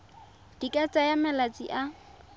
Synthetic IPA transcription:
d̥ikʼat͡sʼajamɛlat͡sʼḭʔa

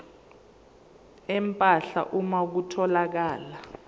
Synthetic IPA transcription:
ɛmpʼaɬa̰ʔumak̬utʰɔlak̬aːla

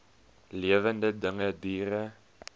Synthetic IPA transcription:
liəvəndədəŋədiːrə

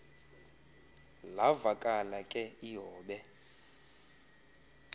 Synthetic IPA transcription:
lavakʼalakʼɛiɦɔːɓɛ

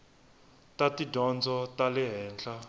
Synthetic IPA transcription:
tatidɔnd͡zɔtalɪɦɛːnɬa

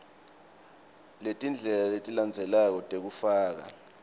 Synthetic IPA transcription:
letʼind͡ɮʱɛlaletʼiland͡zʱɛlak̬ɔtʼek̬ufaːk̬a̰

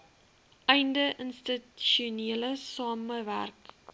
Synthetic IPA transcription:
ʔɛjndəʔənstətʃiuniələsɑːməvæ̰rk

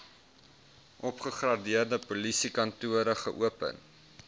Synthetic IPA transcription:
ʔɔpχəχrɐdiərdəpolisikɐntuəɾəχəʔuəpə̰n

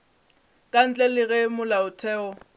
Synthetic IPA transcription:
kʼan̩t͡ɬʼɛlɪɣɛmʊlaʊtʰɛːɔ

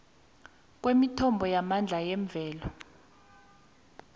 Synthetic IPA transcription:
k̬wemitʰɔmbʱɔjamand͡ɮʱajɛɱb̪vʱɛːlɔ

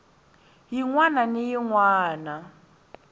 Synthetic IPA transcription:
jiŋwananijiŋwaːna

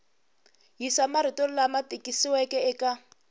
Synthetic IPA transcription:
ɦisamaɾitol̩lamatikʼisiwɛkɛɛka

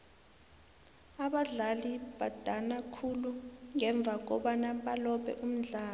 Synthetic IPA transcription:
aɓaɮalib̥ʱad̥ʱanakʰuluŋɛɱb̪vʱak̬ɔɓanaɓalɔɓɛ̰ʔum̩ɮaːl

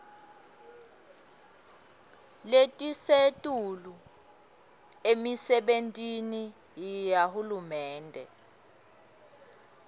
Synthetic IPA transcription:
letʼisetʼulu | emisɛɓentʼini | jijahulumɛːndʱɛ̰

